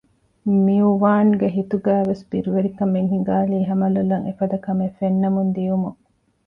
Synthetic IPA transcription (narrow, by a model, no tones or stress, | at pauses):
miuʋaːnɡeɦit̪uɡæːʋesbiɾuʋeɾikɐmeŋɦiŋɡaːliːɦɐmɐlulːɐŋefɐd̪ɐkɐmefenːɐmund̪ijumuŋ